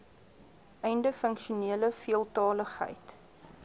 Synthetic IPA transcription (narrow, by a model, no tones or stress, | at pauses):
ʔɛjndəfəŋkʃuniələfiəlˠtɑːləχɦə̰jt